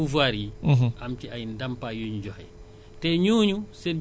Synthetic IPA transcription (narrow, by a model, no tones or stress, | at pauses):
uvaɾiʔamt͡ʃiajndampajuɲud͡ʒɔhaj | tɛɲuːɲusɛn